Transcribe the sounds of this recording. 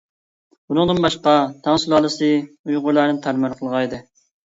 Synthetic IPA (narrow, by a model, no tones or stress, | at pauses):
bunɨŋd̪ɨnbɑʃqɑt̪ʰɑŋsulˠɑlˠɨsɨ | ujʁʊɾlˠæɾnnt̪ʰæɾmæɾqʰəlˠʁɑjd̪ɨ